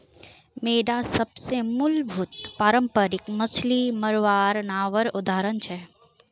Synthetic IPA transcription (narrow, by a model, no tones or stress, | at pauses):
meːɖasɐbsemʊlbʱut̪paːɾəmpəɾɪkmɐt͡ʃʰliməɾʋaːɾnaːʋəɾʊd̪ʱaːɾənt͡ʃʰɛ